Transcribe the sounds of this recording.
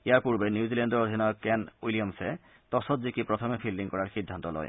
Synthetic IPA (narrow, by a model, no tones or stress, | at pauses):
eaɾpuɾbenjuzilendɔɾod̪ʱinajɔkːɛnulijɔmse | t̪ɔsɔt̪zikipɾɔt̪ʰɔmefʰilːiŋkɔɾaɹxid̪ʱːant̪ɔlɔ̰j̰